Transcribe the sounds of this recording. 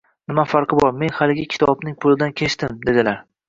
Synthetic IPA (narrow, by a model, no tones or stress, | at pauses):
nɪmafaɾqʰɨbɒɾme̞nhalɪɡʲɪkʲʰɪ̥t̪ʰɒbnɪŋpʰʊlɪd̪ankʲʰe̞ʃt̪ɪmd̪e̞d̪ɪlaɾ